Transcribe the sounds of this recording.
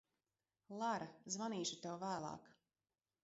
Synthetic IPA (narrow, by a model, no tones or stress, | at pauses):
lˠaɾazvaniːʃut̪ɛwvæːlˠɑ̰ːk